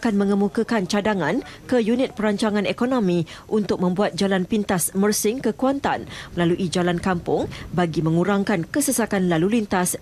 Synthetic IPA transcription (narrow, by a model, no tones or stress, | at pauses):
akanmə̃ŋəmukəkant͡ʃadaŋãnkəjunɪt̪̚pəɾaɲt͡ʃaŋãnekonõmĩʔunt̪ʊk̚mə̃mbuat̪̚d͡ʒalanpint̪asmərsɪŋkəkuant̪anməlaluʔid͡ʒalankampʊŋbaɡimə̃ŋuɾaŋkankəsəsakanlalulint̪as